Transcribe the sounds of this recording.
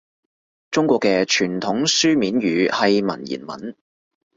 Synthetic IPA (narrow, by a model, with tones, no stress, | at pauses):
t͡ʃt͡sʊ˥ŋkʷɔː˧kːɛː˧t͡ʃʰyː˨˩nt̪ʰʊ˨˥ŋsyː˥miː˨˥nɥyː˨˧hɐ˨jmɐ̰˨˩njḭː˨˩nmɐ̰˨n